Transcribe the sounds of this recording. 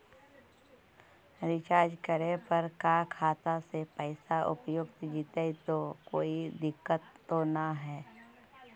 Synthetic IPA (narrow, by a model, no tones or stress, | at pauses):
ɾɪt͡ʃaːɾd͡ʒkəɾepəɾkakʰaːt̪asepəɪsaʔʊ̰pjʊɡt̪d͡ʒiːt̪eit̪okoːid̪ɪkːət̪ːonaɦɛː